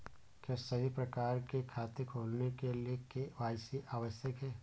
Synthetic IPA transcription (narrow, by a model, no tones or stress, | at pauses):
kjaːsɐɦipɾɐkaːɾkekʰaːt̪ɪkʰoːlnekeliekeʋaːjsiʔaːʋəsjəkɦɛː